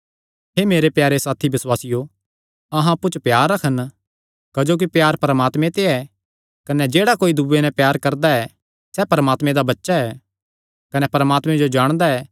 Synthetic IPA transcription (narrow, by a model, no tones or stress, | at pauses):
ɦeːmeːɾepjaːɾesaːt̪ʰibɪswaːsɪjo | ɐɦãɐpːut͡ʃpjaːɾːɐkʰən | kɐd͡ʒoːk̬ipjaːɾpɐɾəmaːt̪mẽt̪eɛ | kɐnɛd͡ʒeːɽakoːid̪ubenɛ̃pjaːɾkɐɾd̪aɛ | sɛpɐɾəmaːt̪mẽd̪abɐtːʃaɛː | kɐnɛpɐɾəmaːt̪mẽd͡ʒod͡ʒaːɽ̃d̪aɛː